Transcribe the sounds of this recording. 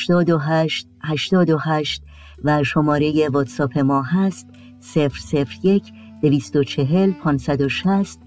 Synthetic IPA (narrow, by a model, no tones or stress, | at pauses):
ʃt̪ɒːd̪oɦæʃt̪̚hæʃt̪ɒːd̪oɦæʃt̪̚ | væʃo̞mɒːɾe̞je̞vot̪sɒːpʰe̞mɒːɦæst̪̚ | se̞fɾse̞fɾje̞cʰ | d̪̥e̞viːst̪o̞t͡ʃʰe̞ɦe̞lpʰɒːnsæd̪o̞ʃæst̪̚